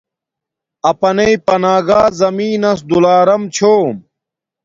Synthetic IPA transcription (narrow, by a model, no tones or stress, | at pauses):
ɐpɐneipɐnaːɡaːzɐmiːnɐs̬d̪ulaːɾɐmt͡ɕʰoːm